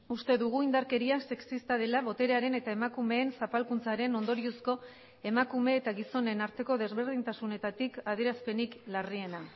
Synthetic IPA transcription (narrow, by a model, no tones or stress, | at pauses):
ust̪e̞ðuɣ̞uind̪aɾke̞ɾiase̞ksist̪aðe̞laβo̞t̪e̞ɾeaɾe̞ne̞t̪ae̞makume̞ːnsapalkunt͡saɾe̞no̞nd̪o̞ɾiosko̞ | e̞makume̞ːt̪aɣiso̞ne̞naɾt̪e̞ko̞ð̞e̞zβe̞ɾð̞int̪asune̞t̪at̪ikaðieɾaspe̞niklarie̞na